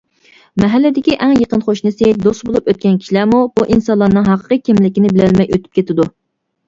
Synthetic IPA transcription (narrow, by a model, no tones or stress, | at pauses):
mɛɦælːɪd̪ɪkʲiʔɛŋjəqənχoʃnɨsed̪ost̪bolˠupøt̪̚kʲɛnkʲʰi̥ʃilæɾmubuʔinsɑlˠɑnɨŋɦɑqʰə̥qəkʲʰimlɪkʲinɪbɪlɛlmɛjøt̪ʰy̥p̚kʲet̪ɪd̪u